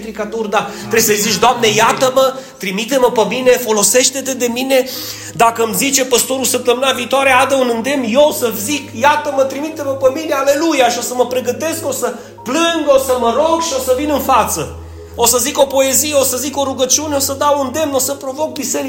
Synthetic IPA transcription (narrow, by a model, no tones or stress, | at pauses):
t̪ɾikat̪urd̪at̪ɾebsəjzit͡ʃd̪oamne̞jat̪əmət̪ɾimit̪e̞məpəmine̞fo̞lo̞se̞ʃt̪e̞t̪ed̪e̞mine̞ | d̪akəmzit͡ʃe̞pəst̪o̞ɾulsəp̚t̪əmɨnaviːt̪oaɾead̪əunɨnd̪e̞mnjeosəzikjat̪əmət̪ɾimit̪e̞məpəmine̞ale̞lujaʃio̞səməpɾe̞ɡət̪e̞sko̞sə | plɨŋɡosəməɾo̞ɡʃio̞səvinɨnfat̪sə | o̞səziko̞po̞e̞zijeo̞səziko̞ɾuɡət͡ʃiuneo̞səd̪awund̪e̞mno̞səpɾo̞vo̞k̚bise̞ɾi